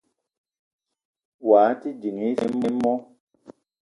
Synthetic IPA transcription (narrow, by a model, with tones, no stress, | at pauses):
waː˨˦ti˦d͡ʒi˨ŋ˨i˦fi˦mːe˦mːɔ˦